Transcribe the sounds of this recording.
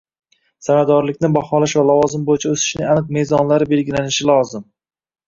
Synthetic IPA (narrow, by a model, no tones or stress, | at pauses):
sanad̪ɒɾlɪk̚ʲnɪbɒχɒlaʃvalɒvɒzɪmbojɪt͡ʃʰaɵsɪ̥ʃnɪŋanɨq̚me̞zɒnlaɾɪbe̞lɡʲɪlanɪʃɪlˠɒzɪm